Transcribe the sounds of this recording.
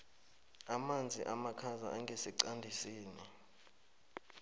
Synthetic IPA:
amand͡zʱiʔamakʰazaʔaŋɡʱesiǀandʱisiːnɛ

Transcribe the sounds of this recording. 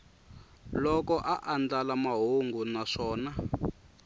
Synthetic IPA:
lɔkɔʔaʔand͡ɮalamaɦoŋɡunaʂɔːna

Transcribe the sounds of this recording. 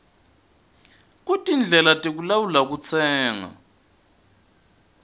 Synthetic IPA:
k̬ʼutʼind͡ɮʱɛlatʼik̬ulawulak̬ut͡sʰɛːŋa̰

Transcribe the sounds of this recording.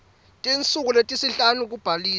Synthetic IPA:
tʼint͡sʼuk̬uletʼisiɬanuk̬ub̥ʱaliː

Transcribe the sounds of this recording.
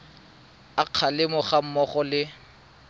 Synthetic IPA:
aq͡χʰalɪmʊχam̩mɔχɔlɪ

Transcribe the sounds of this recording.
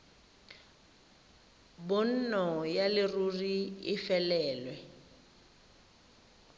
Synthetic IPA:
bʊn̩nɔjalɪruriɪfɛlɛːlwɛ

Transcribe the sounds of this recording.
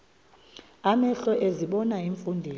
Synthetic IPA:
amɛɬɔʔeziɓɔnaiɱfundʱiː

